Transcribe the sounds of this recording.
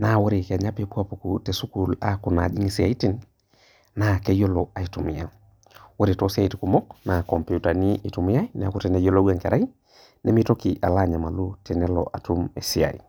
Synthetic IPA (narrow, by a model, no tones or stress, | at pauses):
nawoɾikaɲapipuapukutesukulakunad͡ʒiŋisia̰itin | nakejoloaitumija | woɾitosiaitikumoknakɔmpiutaniʔitumiajnɛakutɛnejoloɡeŋkeɾai | nemitokiʔalaɲamalutɛnɛlo̰ʔatumḛsia̰ḭ